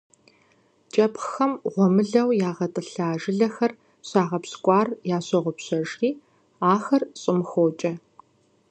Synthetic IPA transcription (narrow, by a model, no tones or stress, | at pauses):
t͡ʃʼɐpxɐmʁʷɔmɨɮɐwjaːʁɐtʼɨɬaːʒɪɮɐxɐr | ɕaːʁɐpskʷʼɑːrjaːɕɐʁʷʊpɕɐʒiː | aːxɐrɕʼɪmxoːt͡ʃʼɐ